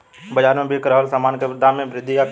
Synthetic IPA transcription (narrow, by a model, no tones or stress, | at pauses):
bəd͡ʒaːɾmẽbʱikɾəɦəlsamaːnked̪ʱamẽbɾɪd̪ʱːija